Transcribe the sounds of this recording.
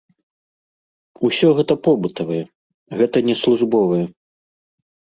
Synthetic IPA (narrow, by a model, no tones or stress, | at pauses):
usʲɔɣɛt̪ɐpɔbɨt̪ɐvɐjɛ | ɣɛt̪ɐnʲɛslˠuʐbɔvɐjɛ